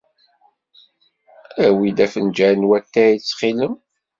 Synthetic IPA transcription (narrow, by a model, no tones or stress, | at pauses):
æwid̪æfənd͡ʒænwæt̪ːæit͡sːχiləm